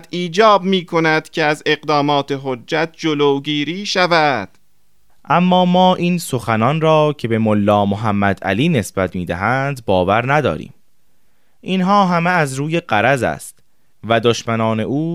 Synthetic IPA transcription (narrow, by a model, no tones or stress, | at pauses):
iːd͡ʒɒːb̚miːkʰonæd̪̥cʰeæzeɣd̪ɒːmɒːt̪ʰeɦod͡ʒːæt̪̚d͡ʒoloːɡiːɾiːʃævæd̪̥ | ʔæmːɒːmɒːʔiːnso̞xænɒnrɒːcʰe̞be̞molːɒːmoɦæmːæd̪æ̰liːne̞sb̥æt̪ʰmiːd̪æɦænd̪bɒːvæɾnæd̪ɒ̰ːɾḭːm | ʔinɦɒːɦæmeæzɾuːje̞ɢæɾæzæ̰st̪ | væd̪oʃmænɒːne̞ʔuː